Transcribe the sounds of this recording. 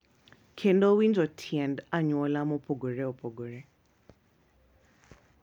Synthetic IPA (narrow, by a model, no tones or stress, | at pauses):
kʰendowind͡ʒɔtʰjɛndaɲwɔlamɔpʰɔɡoɾɛɔpʰoɡoɾɛ